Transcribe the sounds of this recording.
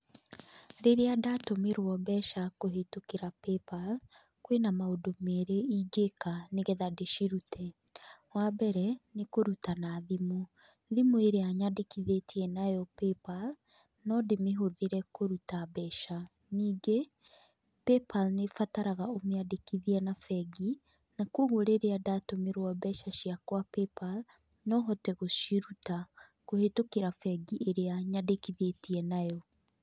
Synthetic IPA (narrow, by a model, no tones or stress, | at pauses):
ɾeɾeadatomeɾwɔbɛʃakoɦetokeɾapepal | kwenamaodomɛɾeiɡekaneɣɛðadeʃiɾutʰɛwabɛɾɛnekoɾutanaðimo | ðimueɾeaɲadekiðetʰiɛnajɔpɛpal | nɔdemeɦoðeɾɛkoɾutabɛʃa | niːɡe | pepʰalnefataɾaɣaomeadekiðiɛnafɛɡi | nakwoɣoɾeɾeadatomeɾwabɛʃaʃiakwapepal | nɔɦɔtɛɣoʃiɾutakohetokeɾafɛɡiʔeɾeaɲadekiðetiɛnajɔ